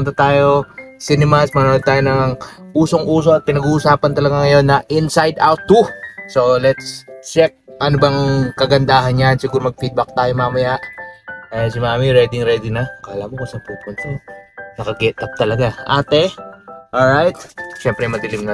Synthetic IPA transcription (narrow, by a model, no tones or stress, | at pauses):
ʊnt̪ɐt̪aːjo̞sinɛmasmɐnood̪̚t̪aːjonɐŋʔuːso̞ŋʔuːso̞ɐt̪̚pɪnɐɡuːʔʊsaːpɐnt̪ɐlɐɡaŋɐjo̞nːɐʔɪnsajd̪awt̪ːuso̞lɛt̪st͡ʃɛk̚ʔɐnobɐŋkɐɡɐnd̪aːɦɐnjansɪɡuːɾomɐɡ̚fid̪̚bɐk̚t̪aːjomamɐjaʔɐjnsimaːmiɾɛːd̪ɪŋɾɛd̪ɪŋnɐkɐʔɐlaːmokɐs̚pupʊnsonɐkɐɡɛt̪ɐp̚t̪ɐlɐɡaʔaːt̪ɛʔolɹajt̪̚ʃɛmpɾɛmɐd̪ɪlɪmnɐ